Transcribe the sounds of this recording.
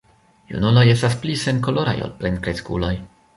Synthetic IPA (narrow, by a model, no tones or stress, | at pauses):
jṵnulo̞je̞stasplise̞nko̞lo̞ɾa̰jo̰lplenkɾeskṵlo̞j